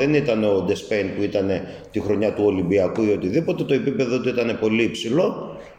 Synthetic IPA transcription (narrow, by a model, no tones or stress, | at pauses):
e̞nit̪ɐne̞o̞d̪e̞spe̞jnpuit̪ɐne̞ | t̪ixɾo̞ɲɐt̪uo̞limbiɐkuio̞t̪iðipo̞t̪e̞t̪o̞e̞pipe̞ðo̞t̪uit̪ɐne̞po̞liipsilo̞